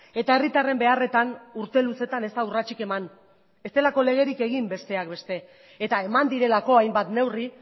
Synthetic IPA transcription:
e̞t̪ae̞rit̪are̞mbe̞are̞t̪anuɾt̪e̞luse̞t̪ane̞st̪aurat͡ʃike̞man | e̞st̪e̞lako̞le̞ɣ̞e̞ɾike̞ɣ̞imbe̞st̪e̞akbe̞st̪e̞ː | t̪aemand̪iɾe̞lako̞ajmbat̪ne̞wri

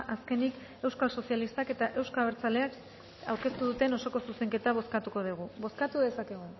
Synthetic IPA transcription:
ʔaske̞nik | e̞wskalso̞sijalist̪ake̞t̪aʔe̞wskaβ̞eɾt͡sale̞ak | awɾke̞st̪uðut̪e̞no̞so̞ko̞suse̞ŋke̞t̪aβ̞o̞skat̪uko̞ð̞iɣ̞uβo̞skat̪uðe̞sakeɣ̞u

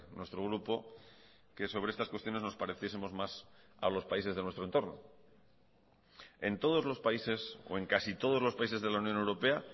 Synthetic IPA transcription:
nwe̞st̪ɾo̞ɣ̞ɾupo̞ | ke̞so̞βɾeest̪askwe̞st̪jo̞ne̞zno̞spaɾe̞θje̞semo̞zmasa̰lo̞spaisezðe̞nwe̞st̪ɾont̪o̞ɾno̞̰ | e̞nt̪o̞ð̞o̞zlo̞spaise̞so̰e̞ŋkasit̪o̞ð̞o̞zlopaise̞zð̞e̞launjone̞wɾo̞pe̞a

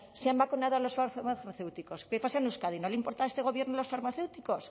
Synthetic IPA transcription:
seambakunað̞oalo̞sfaamaθamaθewt̪iko̞skepasaenuskaðinoleimpo̞ɾt̪aest̪eo̞βje̞ɾnoalo̞sfaɾmaθewt̪iko̞s

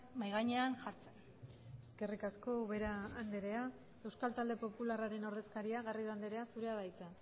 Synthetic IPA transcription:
majɣaɲe̞anʝaɾt͡se̞n | e̞ske̞rikasko̞βe̞ɾaːnd̪e̞ɾe̞a | e̞wskalt̪ald̪e̞po̞pularaɾe̞no̞ɾðe̞skaɾiaɣariðuand̪eɾe̞asuɾe̞aðajt͡sa

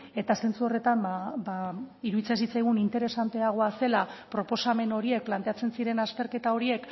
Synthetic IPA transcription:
e̞t̪ase̞nt͡suo̞re̞t̪ambabaiɾuðit͡sasit͡sajɣ̞unint̪e̞ɾe̞sant̪e̞aɣ̞o̞ase̞lapɾo̞po̞same̞no̞ɾie̞k̚plant̪e̞at͡se̞nsiɾe̞nast̪e̞ɾke̞t̪ao̞ɾie̞k

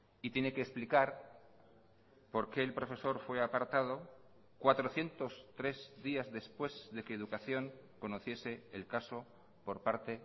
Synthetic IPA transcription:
it̪jene̞keːsplikaɾ | po̞ɾke̞ːlpɾo̞fe̞so̞ɾfwe̞apaɾt̪að̞o̞ | kwat̪ɾo̞θje̞nt̪o̞st̪ɾe̞zðiazðe̞spwe̞zðe̞keːð̞ukaθjo̞ŋko̞no̞θje̞se̞ːlkaso̞ | po̞ɾpaɾt̪e̞

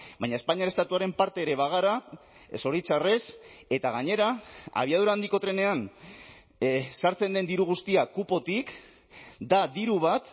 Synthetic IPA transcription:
bajɲae̞spaɲiaɾe̞st̪at̪uaɾe̞mpaɾt̪eːɾe̞βaɣ̞aɾa | so̞ɾit͡sare̞se̞t̪aɣ̞aɲe̞ɾaa̰β̞iaðuɾaːnd̪iko̞t̪ɾe̞ne̞an | saɾt͡se̞nd̪e̞nd̪iɾuɣ̞ust̪iakupo̞t̪ik | d̪ad̪iɾuβ̞at̪

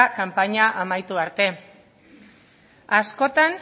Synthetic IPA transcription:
kampaɲaʔamajt̪uaɾt̪e̞ | asko̞t̪an

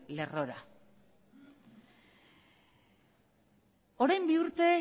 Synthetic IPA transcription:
le̞ro̞ɾa̰ | o̞ɾajmbiuɾt̪e̞

